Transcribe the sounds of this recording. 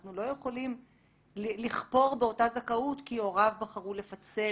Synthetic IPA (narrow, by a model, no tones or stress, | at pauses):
χnulo̞je̞χo̞lim | lliχpo̞ʁbeo̞tazakautkio̞ʁavbaχaʁule̞fat͡se